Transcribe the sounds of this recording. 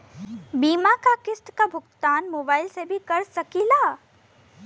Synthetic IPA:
biːmakakɪsʈ̪kabʱʊkt̪aːnmoːbaːɪlsebʱikɐɾsɐkilaː

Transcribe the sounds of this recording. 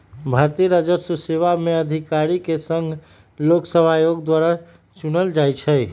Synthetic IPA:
bʱaɾt̪iɾad͡ʒəsəseʋameəd̪ʱikaɾikesəŋɡʱ | loksəbʱajoɡd̪waɾa | t͡ʃunəld͡ʒajt͡ʃʰəj

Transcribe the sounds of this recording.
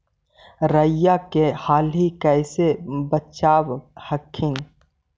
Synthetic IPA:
ɾəjakehaːlɦikɛɪsebətt͡ʃaːbhɐkʰːɪn

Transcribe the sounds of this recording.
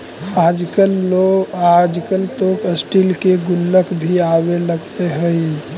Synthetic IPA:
ad͡ʒkəload͡ʒkəlt̪okəsʈilkeɡulːəkbʱiabeləɡt̪eɦəj

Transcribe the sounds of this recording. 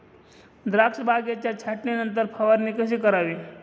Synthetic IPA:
d̪ɾakʂəbʱaɡjat͡ɕjat͡ɕʰaʈninənt̪̬əɾpʰɐʋəɾnikəʃikəɾaːʋi

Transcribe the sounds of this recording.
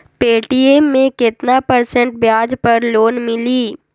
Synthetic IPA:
peːʈiemːẽkɪt̪napɐɾsə̃ɳʈ̚bjaːd͡ʒpɐɾloːnmɪliː

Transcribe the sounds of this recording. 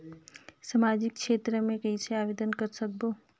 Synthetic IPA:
səmad͡ʒikʃet̪ɾəmẽkəit͡ʃʰeaʋed̪ənkəɾsək̚bo

